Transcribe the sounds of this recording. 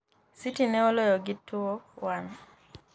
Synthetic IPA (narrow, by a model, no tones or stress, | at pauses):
sitinɛɔlɔjɔɡitːuowan